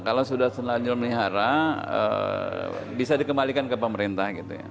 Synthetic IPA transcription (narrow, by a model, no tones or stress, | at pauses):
kalawsudahsənad͡ʒɔlməliɦaɾaə̰ | bisadikəmalikankəpəməɾint̪ahɡit̪ṵja̰